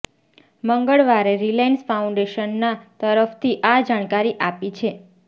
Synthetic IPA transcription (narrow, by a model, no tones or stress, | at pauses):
məŋɡəɭʋaɾeɾilajnsfaũɳɖeʃənːat̪əɾəft̪ʰiʔad͡ʒaɽ̃kaɾiʔapit͡ʃʰe